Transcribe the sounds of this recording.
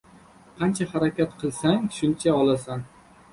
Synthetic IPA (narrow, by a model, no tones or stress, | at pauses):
qʰɑnt͡ʃʰahaɾakʲat̪qʰɨlˠsaŋʃʊnt͡ʃʰaɒlˠasan